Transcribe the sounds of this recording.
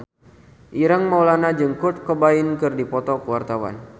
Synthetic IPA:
ʔiɾəŋmawlanad͡ʒɨŋkuʊt̪̚kəbaɪnkɨrdipɔt̪ɔkəwart̪awa̰n

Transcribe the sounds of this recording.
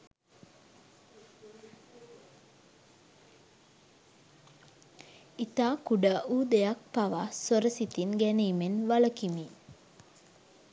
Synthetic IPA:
it̪aːkuɖəʔuːd̪ejak̚paʋasoɾəsit̪inɡæniːmenʋaləkimi

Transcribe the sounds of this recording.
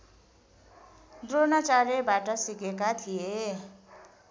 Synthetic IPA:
d̪ronat͡saɾebaʈʌsikekat̪ʰije

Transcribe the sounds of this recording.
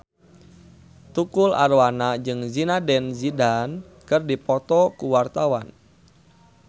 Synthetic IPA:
t̪ukula̰rwanad͡ʒɨŋzinadɛnzidan | kɨrdipɔt̪ɔkuwart̪awan

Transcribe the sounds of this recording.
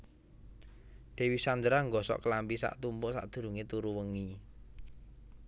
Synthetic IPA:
d̪̥e̤wisand̪əɾaŋɡɔsɔ̰ʔkəlampisa̰ʔt̪umpʊʔsa̰ʔd̪̥ṳɾṳŋet̪uɾuwəŋi

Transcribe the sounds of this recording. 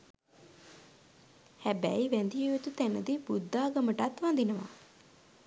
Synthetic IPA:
hæbæijʋænd̪ijeet̪ut̪ænəd̪ibud̪ːaːɡəməʈat̪ʋand̪inəʋa̰

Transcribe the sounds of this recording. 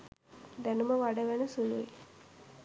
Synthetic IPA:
d̪ænuməʋaɖəʋænəsulue

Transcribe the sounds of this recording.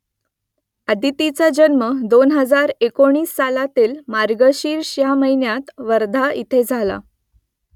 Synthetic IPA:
ad̪it̪it͡sad͡ʑənməd̪onɦəd͡zaɾekoɳ̃iːsːalat̪iːlmaɾɡəɕiːɾɕjaməɦinjat̪ʋəɾd̪ʱaʔit̪ʰed͡zʱala̰

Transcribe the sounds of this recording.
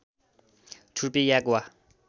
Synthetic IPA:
tʰupijakwa

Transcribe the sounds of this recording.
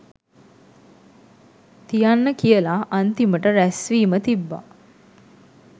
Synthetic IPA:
t̪ijanːəkijəlaʔənt̪iməʈəɾæsʋiːmət̪ibːa̰

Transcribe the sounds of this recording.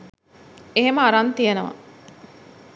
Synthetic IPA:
eɦeməaɾant̪ijenəʋɐ̰

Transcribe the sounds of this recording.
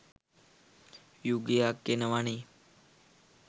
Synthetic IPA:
juɡijakːenəʋaɳi

